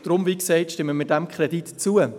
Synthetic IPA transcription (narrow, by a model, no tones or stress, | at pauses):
d̥ɾʊmviːksɛɪtʃtɪmːəmidæmkχrɛditt͡suə